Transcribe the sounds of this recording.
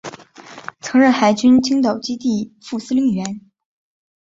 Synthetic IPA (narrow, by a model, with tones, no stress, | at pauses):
t͡sʰɤ˧˥ŋɻə˥˩nxa˧˥˩ɪt͡ɕy˥nt͡ɕʰi˥ŋt̪̬ɑ˨˩ʊt͡ɕi˥t̪i˥˧fu˥˩sɹ̩˥li˧˥ŋɥɛ˧˥n